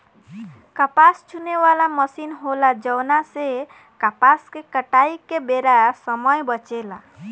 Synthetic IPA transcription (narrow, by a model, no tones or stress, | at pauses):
kəpast͡ʃʰunewalaməsinɦolad͡ʒəwnase | kapaskekəʈaikːebeɾasəməjbət͡ʃela